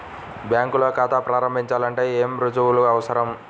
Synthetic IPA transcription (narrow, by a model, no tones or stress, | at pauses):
bjaːŋkuloːkaːt̪aːpɾaːɾɐmbʱiɲt͡ʃaːlɐɳʈe̞ːeːmɾud͡ʒuuluɐʋɐsɐɾɐm